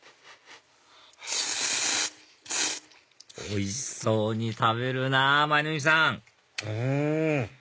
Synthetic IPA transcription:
o̰isoːɲ̟it̪aβe̞ɾɯ̟namainomʲisãŋ

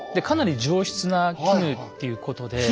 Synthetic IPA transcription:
d̪e̞kanaɾʲid͡ʑoːɕi̥t͡sɨnakʰʲimɯ̟t̪ːe̞jɯ̟ko̞t̪o̞d̪e̞

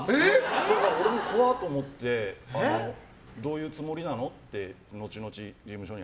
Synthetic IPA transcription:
ed̪akaɾoɾe̞mo̞kʰoβat̪o̞ːmot̪ːe̞ano | d̪o̞ːjɯ̟ːt͡sɨmo̞ɾʲinano̞t̪ːe̞ | no̞t͡ɕino̞t͡ɕid͡ʑimɯ̟ɕo̞ɲ̟i

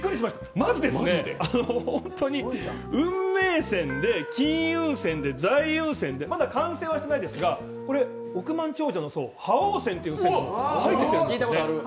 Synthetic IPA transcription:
kːɯ̟ɾiɕimaɕi̥t̪ḁmazɨd̪e̞sɨneanohõ̞nt̪o̞ɲ̟i | ɯ̟̃mːe̞ːsẽ̞nd̪e̞kʲĩɰɯ̟̃ɰ̃sẽ̞nd̪e̞zaiɯ̟̃ɰ̃sẽ̞nd̪e̞mad̪akãɰ̃se̞ːβaɕi̥t̪e̞naid̪e̞sɨɡa | ko̞ɾe̞ | o̞kɯ̟mãɲ̟t͡ɕo̞ːʑanoso̞̰ːhaoːsẽnt̪eiɯ̃sehait̪ːesjit̪akoɾ

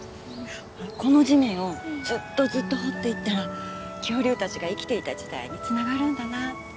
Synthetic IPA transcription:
oako̞no̞ʑimʲĩɰ̃o̞zɨt̪ːo̞zɨt̪ːo̞ɦo̞t̪ːe̞it̪ːaɾa | kʲo̞ːɾʲɨːt̪at͡ɕiɡaikʲi̥t̪e̞it̪ad͡ʑid̪a̰ḭɲ̟it͡sɨnaɡaɾɯ̟̃nd̪ana

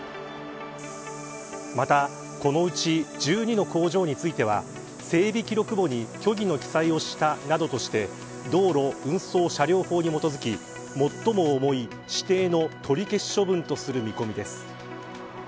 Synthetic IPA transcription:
mat̪a | ko̞no̞ɯ̟t͡ɕid͡ʑɨːɲ̟ino̞ko̞ːʑo̞ːɲ̟it͡sɨit̪e̞β̞a̰ | se̞ːbʲikʲiɾo̞kɯ̟bo̞ɲ̟ikʲo̞ɡʲino̞kʲi̥saio̞ɕi̥t̪anad̪o̞t̪o̞ɕi̥t̪e̞ | d̪o̞ːɾo̞ɯ̟̃ɰ̃so̞ːɕaɾʲo̞ːho̞ːɲ̟imo̞t̪o̞zɨkʲi | mo̞t̪ːo̞mo̞ːmo̞i | ɕi̥t̪e̞ːno̞t̪ʰo̞ɾʲike̞ɕo̞bɯ̟̃nt̪o̞sɨɾɯ̟mʲiko̞mʲid̪e̞sɨ̥

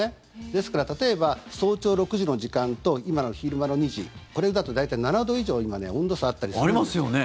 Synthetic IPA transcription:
e | d̪e̞sɨ̥kaɾat̪at̪o̞ebaso̞ːt͡ɕo̞ːɾo̞kɯ̟ʑino̞ʑikãnt̪o̞imano̞çiɾɯ̟mano̞ɲ̟iʑḭko̞ɾe̞d̪at̪o̞d̪ait̪ainanad̪o̞iʑo̞ːimane̞̰õnd̪o̞saat̪ːaɾʲisaɾʲimasɨjone

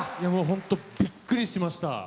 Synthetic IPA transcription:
jamoːɦõ̞nt̪o̞b̥ʲikːɯ̟ɾʲiɕimaɕi̥t̪a̰

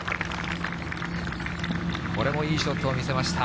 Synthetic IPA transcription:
ko̞ɾe̞mo̞iːɕt̪o̞t̪oːmʲise̞maɕi̥t̪a

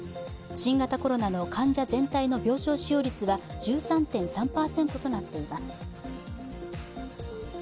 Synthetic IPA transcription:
ɕĩŋɡat̪ako̞ɾo̞nano̞kʰãɲ̟d͡ʑazẽ̞nt̪aino̞bʲo̞ːɕo̞ːɕijo̞ːɾʲit͡sɨβad͡ʑɨːsãnt̪ẽ̞ɰ̃sãmpaːsẽ̞nt̪o̞t̪o̞nat̪ːe̞imasɨ̥

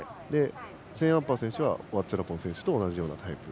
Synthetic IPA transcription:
aid̪e̞ | sẽ̞ɰ̃ãmpasẽɕɨβa̰oβat͡ɕaɾapõ̞ɰ̃sẽ̞ɕɨ̥t̪o̞ːnaʑijo̞ːnat̪ʰaipɯ̟

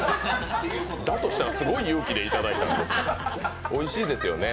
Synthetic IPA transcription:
d̪at̪o̞ɕit̪aɾasɨɡo̞ijoːkʲid̪e̞it̪ad̪ait̪aj̪o | o̞iɕiːd̪e̞sɨjo̞ne̞

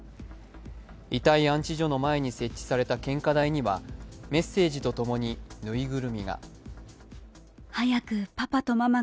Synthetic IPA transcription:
it̪aiãɲ̟t͡ɕiʑo̞no̞mae̞ɲ̟ise̞t͡ɕːi̥saɾe̞t̪akẽ̞ŋkad̪aiɲ̟iβame̞sːe̞ːʑit̪o̞t̪o̞mo̞ɲ̟inɯ̟iɡɯ̟ɾɯ̟mʲiɡa̰ | hajakɯ̟papat̪o̞mama

